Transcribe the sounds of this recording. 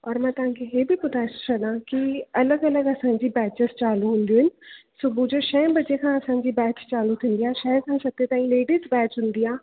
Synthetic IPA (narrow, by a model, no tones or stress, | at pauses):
ɔːɾmɛ̃ːt̪ɐɦãːkʰeɦeːbipʊt̪ast͡ʃʰɐɗ̪ãːkiɐləɡɐləɡɐsãːɲd͡ʑibɛːt͡ɕəzt͡ɕaːluɦʊ̃nd̪ioːɦɪnɪ̆sʊbuːd͡ʑoʃɛ̃ːbɐd͡ʑekʰãːɐsãːɲd͡ʑiːbɛːt͡ʃt͡ɕaːlut̪ʰĩːnd̪iaːʃɛːɾkʰãːsɐɡ̚t̪et̪aːĩleːɖizbɛːt͡ʃɦʊ̃nd̪iːaː